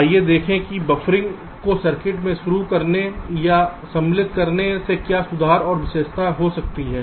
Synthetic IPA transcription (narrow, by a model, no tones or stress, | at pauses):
jed̪eːkʰẽkibɐfɾɪ̃ŋɡ | kosɐɾkɪʈmẽʃʊɾukɐɾnejasɐ̃mlɪt̪̚kɐɾnesekjasʊd̪ʱaːɾɔːɾʋɪʃeːʃt̪aɦosɐk̚t̪iɦɛː